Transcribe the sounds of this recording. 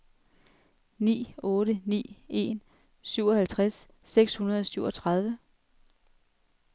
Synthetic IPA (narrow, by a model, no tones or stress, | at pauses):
nḭːɔ̽ːɾənḭːe̝n | syʊɒ̽hælt͡sʰʁasː | eɡ̥shunɐð̞ˠɒ̽syʊ̰ɒ̽t͡sʰʁɑð̞ˠʋə